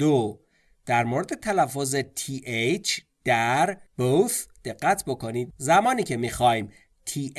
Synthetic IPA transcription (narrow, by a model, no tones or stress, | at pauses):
d̪o | d̪̥æɾmoɾed̪e̞t̪ʰælæfːozet̪ʰiːʔejt͡ʃʰ | d̪̥æɾb̥osd̪̥e̞ɢːæt̪ʰbo̞kʰo̞niːd̪̚zæmɒːniːcʰe̞miːxɒːjim | t̪ʰiːʔ